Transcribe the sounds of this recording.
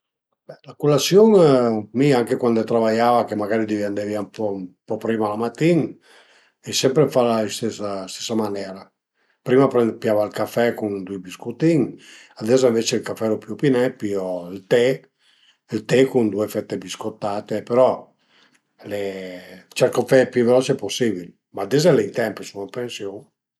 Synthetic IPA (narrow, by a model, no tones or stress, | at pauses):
bɛlakulasjoŋmiaŋkekwand̪et̪ɾavajaːvakemaɡaɾid̪ivand̪eviampɔmpɔpɾiːmalamat̪ːiŋ | esɛmpɾefalaist̪esast̪e̥sːamanɛɾa | pɾimapɾɛpjavalkafɛkund̪ubiskut̪iŋ | ad̪ɛzaĩɱvet͡ʃelkafɛlopjupinɛpiɔilt̪e | ilt̪ekund̪uefɛt̪ːebiskot̪ːaːt̪epeɾɔ | let͡ʃɛlkafɛpjuvelɔt͡ʃeposːibil | maːd̪ezɛleint̪ɛmpisunapensjo